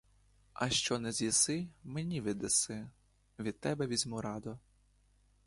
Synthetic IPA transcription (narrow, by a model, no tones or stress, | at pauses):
ɐʃt͡ʃɔnɛzʲjisɪmenʲiʋɪd̪esɪ | ʋʲid̪̚t̪ːɛbɛʋʲizʲmʊɾɑd̪ʊ